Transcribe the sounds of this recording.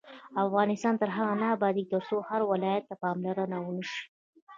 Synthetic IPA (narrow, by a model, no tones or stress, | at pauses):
afɣɑnɪst̪ɑnt̪əɾɦaɣanaːbɑd̪ik̚d̪əɾsohaɾwɪlɑjat̪ːapɑmlaɾənawʊnəʃi̥